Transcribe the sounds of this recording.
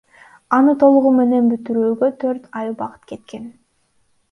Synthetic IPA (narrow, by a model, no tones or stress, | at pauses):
ɑnɯt̪ʰo̞lˠuʁume̞ne̞nbyt̪yɾyːɡøt̪ʰøɾt̪ɑjɯbɑqɯ̥t̪ke̞t̪ke̞n